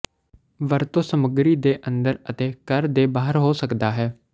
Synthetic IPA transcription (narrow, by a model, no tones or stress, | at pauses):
ʋəɾt̪õːsəməɡɾiːd̪eːʔə̃nd̪əɾət̪eːkəɾd̪eːbaːɦəɾɦoːsəkd̪aːɦɛː